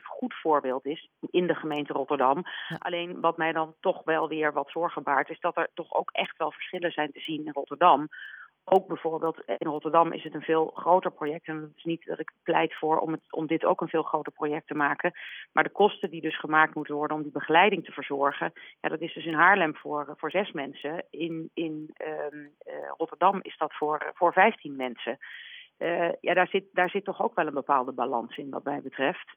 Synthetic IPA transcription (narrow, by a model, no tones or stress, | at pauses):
χutfʊːɹbɪːlˠtɪsɪndəχəmejntərɔtəɹdɑmʔɑ̰lejnʋɑtmɛjdɑntɔχʋɛlˠʋɪːɹʋɑtfʊːɹχəbaːɹtɪzdɑtɛɹtɔχo̰wkɛχtʋɛlˠvəɹsχɪləzɛjntəzinɪnrɔtəɹdɑm | ʔowk̚bɛjv̥ʊːɹbeːlˠtɪnrɔtəɹdɑmʔɪ̰sɦətənvɪːlˠχrowtəɹprojɛk̚tɛntɪ̥snitdɑ̰tɪkplɛ̰jtfʊːɹɔ̰mətɔ̰mdɪto̰wkənvɪːlˠχrowtəɹprojɛk̚təmaːkəmaːɹdəkɔstədidɵsχəmaːk̚tmutənʋɔɹdənɔmdibəχəlɛjdɪŋtəv̥əɹzɔɹχəja̰ːdɑtɪzdɵsənɦaːɹlɛmvʊːvʊːɹzɛsmɛnsəɪnɪn | rɔtəɹdɑmɪ̰zdɑtfʊːɹvʊːɹvɛjftinmɛnsə | ja̰ːdaːɹzɪt̚daːɹzɪtːɔχowkʋɛlˠənbəpaːlˠdəbalɑ̰nsɪnʋɑ̰tmɛjbətrɛft